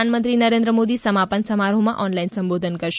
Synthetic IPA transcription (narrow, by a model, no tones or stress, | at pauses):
anmənt̪ɾinəɾẽnd̪ɾəmod̪isəmapənsəmaɾomãʔɔnlainsəmbod̪ʱənkəɾʃ